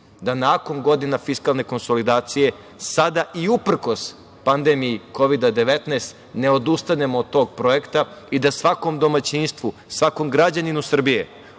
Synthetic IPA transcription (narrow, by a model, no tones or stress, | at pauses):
d̪anako̞nɡo̞d̪inafiskalˠne̞ko̞nso̞lid̪aːt̪sije̞ | sad̪aʔiupr̩ko̞s | pand̪emijiko̞ʋid̪ad̪e̞ʋe̞t̪neːst̪ | ne̞o̞d̪ust̪ane̞moːd̪t̪o̞ːɡ̚pɾo̞je̞kt̪aid̪asʋako̞md̪o̞mat͡ɕinst̪ʋusʋako̞mɡɾad͡ʑaninusr̩bije̞̰